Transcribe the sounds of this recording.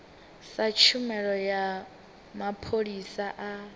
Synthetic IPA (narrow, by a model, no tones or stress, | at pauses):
sat͡ʃʰumɛɺɔja | mapʰoɺisaʔa